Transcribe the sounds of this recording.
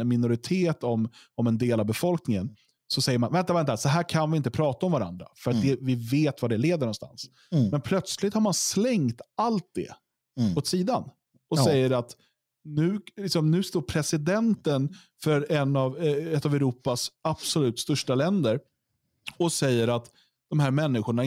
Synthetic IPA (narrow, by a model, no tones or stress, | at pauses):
mɪnʊɾɪt̪ʰeːt̪ɔmɔmɛnd̪eːlavbɛfɔlknɪŋən | sɔsɛjːəɾmanvɛnt̪avɛnt̪asɔɦæːɾkʰanvɪɪnt̪əpʰɾɑːt̪aɔmvaɾa̰nd̪ɾa̰fœɾat̪̚d̪ɛvɪveːt̪vad̪ɛleːd̪əɳɔnst̪a̰ns | mɛnpʰlœt̪slɪt̪haɾmanslɛŋt̪alt̪̚d̪ɛ̰ | ot̪siːd̪an | ɔsɛjːəɾat̪ | nʉ̟ːlɪksɔmnʉ̟ːst̪oːɾpʰɾɛsɪd̪ɛnt̪ən | fœɾɛnɑvɛt̪ːavɛʊɾuːpasab̥sɔlʉ̟ːt̪st̪ɵʂʈalɛnd̪əɾ | ɔsɛjːəɾat̪ | d̪̥ɔmɦæːɾmɛnːɪɧʊɳa